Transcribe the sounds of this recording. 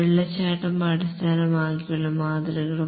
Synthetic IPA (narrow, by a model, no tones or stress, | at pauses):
eɭːɐt͡ɕːaːʈːɐmːɐɽɐst̪ʰaːnɐmaːkːijuɭːɐmaːd̪ɐɾɐɣɐɭu